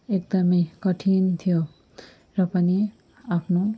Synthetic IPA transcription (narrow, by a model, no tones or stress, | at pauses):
ek̚d̪ʌmejkʌʈʰint̪ʰijo | rʌpʌni | apʰno